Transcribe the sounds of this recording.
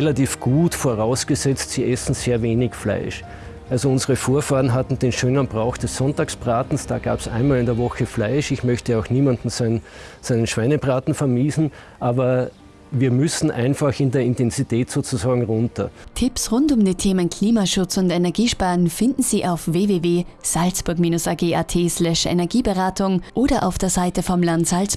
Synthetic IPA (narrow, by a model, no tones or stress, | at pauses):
ɛlatiːfɡ̥uːtfoːɐʁaʊsɡ̥əzɛt͡stsiːʔɛsn̩z̥eːɐveːnɪçfla̰ɪʃ | ʔalzoʊnzəʁəfoːɐfaːɐn̩ɦatn̩d̥eːnʃøːnənb̥ʁaʊxd̥ɛsːɔntaːksb̥ʁaːtn̩sd̥a̰ːɡ̥a̰ːbsʔæ̰̃ɪnmaːlɪndeːɐvɔxəflaɪʃɪçmœçtəaʊxniːmandn̩sæɪnsæɪnənʃv̥æɪnəpʁaːtn̩fɛɐmiːzn̩ | ʔaːbɐ | viːɐmʏsn̩ʔaɪnfaxɪndeːɐɪ̃ntɛnzitʰɛːtz̥oːt͡suzaːɡŋ̩ʁʊntɐ̰tʰɪpsʁʊntʊmdiːtʰeːmənkʰl̥iːmaʃʊt͡sʊntɛnɛɐɡiːʃpaːʁənfɪndn̩z̥iːʔaʊfveːveːveːz̥alsb̥ʊɐkmiːnʊsaɡeːʔatʰeːslɛʃɛ̰nɛɐɡiːbəʁaːtʊŋʔoːɾɐʔa̰ʊfd̥eːɐzaɪtəfɔmlantz̥als